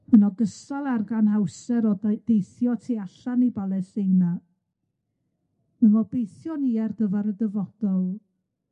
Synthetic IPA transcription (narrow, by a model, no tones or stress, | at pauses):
mənɔɡəsalˠarɡanhawsɛɾɔd̥ejθjɔtʰiːaɬanibalˠɛsejna | ənvɔbejθjɔniɛrɡəvaɾədəvɔd̥ɔlˠ